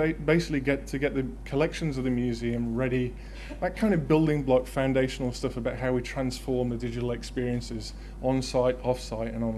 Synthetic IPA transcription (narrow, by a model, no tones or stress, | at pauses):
eɪbeɪsɪ̥kliɡɛtʰɨɡɛʔ̪̚ðɨkʰəlɛkʃɨ̃nzʌvðɨmjʉziɨ̃mɹɛɾi | ðət̚kʰãɪ̃ndəvbɪlˠdɪ̃ŋblɒkfãʊ̃ndeɪʃn̩l̩ˠstʌfəbaʊt̚ɦaʊwitʰɹ̥ãnsfɔɹmðɨdɪd͡ʒɨɾl̩ˠɨkspɪəɹiɨ̃nsɪz | n̩saɪɾɔfsaɪɾə̰̃nə̃n